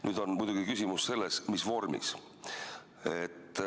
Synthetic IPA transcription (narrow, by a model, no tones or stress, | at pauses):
nʔyːd̪̥o̞nmujd̪uɡ̥ikysʲimusːe̞lːesmisvo̞rmḭks | et̪ːˑ